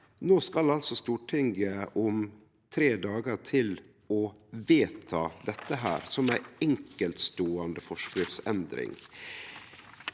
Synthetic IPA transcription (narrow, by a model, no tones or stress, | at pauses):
noːskɑlɑlsɔst̪uːʈʰɪŋɡəʔɔm | t̪ʰɾeːd̪ɑːɡəɾʈʰɪl | ɔʋeːt̪ʰɑːd̪ɛt̪ːəɦæ̰ːɾsɔmæɪɛŋkəlt̪st̪oːɑnd̪əfɔʂkɾʏfsɛnd̪ɾɪ̰ŋ